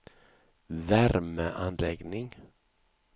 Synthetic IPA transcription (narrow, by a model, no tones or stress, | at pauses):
væɾməʔanlɛɡnɪŋ